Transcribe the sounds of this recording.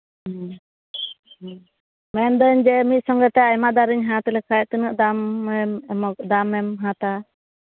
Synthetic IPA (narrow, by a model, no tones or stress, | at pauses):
mɛnd̪əɲd͡ʒɛmit̪̚sɔŋɡɛt̪ɛajmad̪aɾiɲɦãt̪ɛlɛkaj̚t̪ənəʔd̪amɛmmɔd̪amɛmɦãt̪a